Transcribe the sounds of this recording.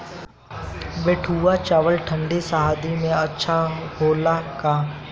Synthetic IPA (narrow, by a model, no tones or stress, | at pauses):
beːʈʰuːat͡ʃaːʋəlʈʰə̃ɳɖisaɦaːd̪imẽɐtːʃʰaɦoːlakaː